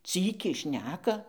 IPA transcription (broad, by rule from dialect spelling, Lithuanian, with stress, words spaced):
ˈt͡sʲiːkʲɛɪ ˈʃʲnʲæːkɐ